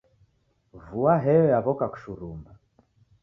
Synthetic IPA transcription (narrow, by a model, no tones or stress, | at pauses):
vuaɦɛɔjaβɔkaku̥ʃuɾumba